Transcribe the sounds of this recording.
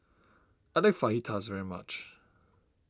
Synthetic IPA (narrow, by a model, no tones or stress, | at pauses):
adeɪfahitʰazvɛɹima̰t͡ʃ